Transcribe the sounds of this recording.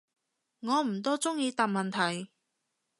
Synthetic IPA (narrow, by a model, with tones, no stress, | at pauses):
ŋɔː˨˧m̩˨˩t̪̬ɔː˥t͡sʊ˥ŋjiː˨˧t̪aː˨p̚mɐ˨nt̪ʰɐ˨˩j